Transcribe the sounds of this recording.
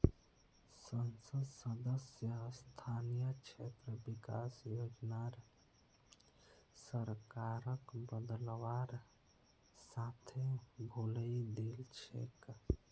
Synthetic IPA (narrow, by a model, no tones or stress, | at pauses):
sənsəd̪səd̪əsjəst̪ʰaːnijəkt͡ʃʰet̪ɾəbika̰ːsjoːd͡ʒnaɾ | səɾkaɾəkbəd̪əlwaɾ | saːt̪ʰebʱuləid̪elt͡ʃʰḛk